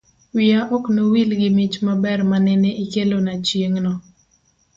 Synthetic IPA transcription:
wɪaʔɔknowilɡɪmɪt͡ʃmabɛrmanɛneikelonat͡ʃjeŋnɔ

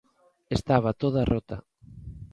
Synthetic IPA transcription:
est̪aβ̞at̪oðarʔot̪ɐ̰

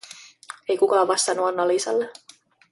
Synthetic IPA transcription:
e̞jkukɑːʋʋɑst̪ɑnːuɑnːɑliːsɑ̰lːe

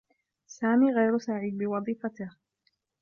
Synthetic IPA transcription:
saːmiːɣajɾʊsaʕiːd̪bɪwɑðˤiːfat̪ɪh

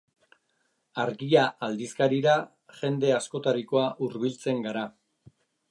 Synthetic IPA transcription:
aɾɣiaʔald̪iskaɾiɾa | ʝe̞nd̪e̞asko̞t̪aɾiko̞aʔuɾβilt͡se̞ŋɡaɾa

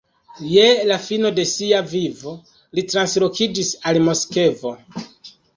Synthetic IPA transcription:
jelafino̞de̞siavivo̞ | litɾanslo̞kid͡ʒisalmo̞ske̞vo̞

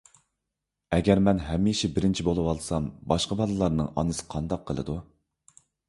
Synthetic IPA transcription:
ɛɡʲɛɾmɛnɦɛmːiʃɪbɪɾɪnt͡ʃʰibolˠɨwɑlˠsɑmbɑʃqəbɑlˠɨlˠɑɾnɨŋʔɑ̰nɨsɨ̥qʰɑnd̪ɑq̚ʰːəlˠɨ̰d̪u

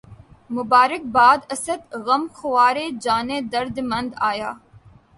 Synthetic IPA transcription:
mʊbaːɾɪk̚baːd̪ɐsəd̪ɣɐmxʊʋaːɾeːd͡ʒaːneːd̪ɐɾd̪mɐ̃nd̪aːjaː

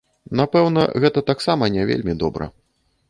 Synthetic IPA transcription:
napɛwnɐ̰ɣɛt̪ɐt̪aksamɐnʲɛvʲḛlʲmʲid̪ɔbɾɐ̰

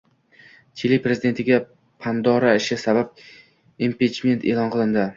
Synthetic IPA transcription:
t͡ʃ̪ʰelipɾe̞zɪd̪e̞nt̪ʰɪɡʲa | pʰand̪ɒɾaɪʃɪsabap̚ | impit͡ʃme̞nt̪ʰelɒnqʰɨlˠɪnd̪ɪ

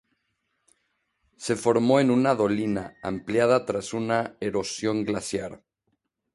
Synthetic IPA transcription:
se̞fo̞ɾmo̞e̞nunaðo̞linaa̰mpljaðat̪ɾasunae̞ɾo̞sjo̞ŋɡlasjaɾ

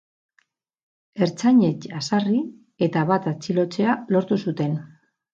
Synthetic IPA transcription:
e̞ɾt͡saɲe̞t͡ʃasari | e̞t̪aβat̪at͡silo̞t͡se̞alo̞ɾt̪usut̪e̞n

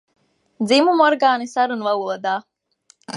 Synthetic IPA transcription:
d̪zimumɔɾɡaːnisaɾunvauɔd̪aː

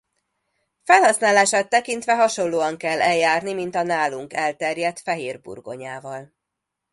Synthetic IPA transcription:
fɛlɦɒsnaːlaːʃaːt̪ːɛkint̪ʋɛɦɒʃo̞loːɒŋkɛlːʔɛljaːrnimint̪ɒnaːluŋkɛlt̪ɛrjɛt̪fɛɦeːrbṵrɡo̞̰ɲaːvɒl

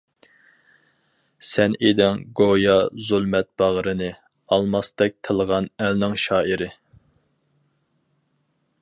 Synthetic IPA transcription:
sɛned̪ɪŋɡojɑzulˠmɛt̪̚b̥ɑʁɾɨnɨ | ɑlˠmɑsd̪ɛk̚ʲt̪ʰəlˠəʁɑnælnɪŋʃɑːiɾɪ

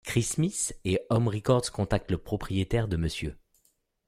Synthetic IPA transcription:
kχismiseɔmʁikɔʁd̪z̥kɔ̃t̪ak̚t̪ləpχɔpχijet̪ɛʁd̪əməsjø

